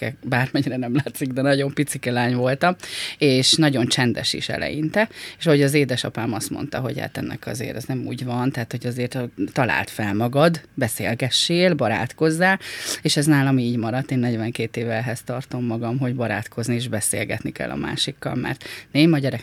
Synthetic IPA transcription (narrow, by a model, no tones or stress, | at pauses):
ɛbaːrmɛɲiɾɛnɛmlaːt̪siɡd̪ɛnɒɟo̞mpit̪sikɛlaːɲvo̞lt̪ɒmeːʃnɒɟo̞nt͡ʃɛnd̪ɛ̰ʃḭʃɛ̰lɛ̰jint̪ɛeːʃɒɦo̞ɟɒzeːd̪ɛʃɒpaːmɒst̪mo̞̰n̪t̪ɒɦo̞̰ɟha̰t̪ɛ̰nːɛ̰kɒ̰zḛːɾɛznɛmṵːɟvɒnt̪aɦːt̪ho̞ɟɒzeːrt̪t̪ːɒla̰ːlt̪fɛlmɒɡɒd̪bɛsḛːlɡɛʃːeːlbɒɾa̰ːt̪ko̞zːaːeːʃɛznaːlɒmiːɟmɒɾɒt̪ːeːnːɛɟvɛŋkeːt̪eːvɛlɦɛst̪ɒrt̪o̞mːɒɡɒmɦo̞ɟbɒɾa̰ːt̪kʰo̞znieːʒbɛsḛːlɡɛ̰t̪nikɛ̰lːɒ̰ma̰ːʃikːɒ̰lmɛ̰rt̪neːmɒɟɛɾɛ